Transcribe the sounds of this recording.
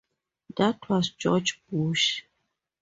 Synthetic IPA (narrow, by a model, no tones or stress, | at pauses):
datʰwɔzd͡ʒɔd͡ʒb̥uʃ